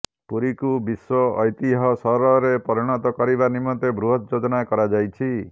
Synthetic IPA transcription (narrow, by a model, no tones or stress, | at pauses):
puɾikubiswɔːjt̪iɦɔsɔɾɔɾepɔɾiɽ̃ɔt̪ɔkɔɾibanimɔt̪ebɾuɦɔt̪̚d͡ʒod͡ʒɔnakɔɾad͡ʒajt͡ʃʰi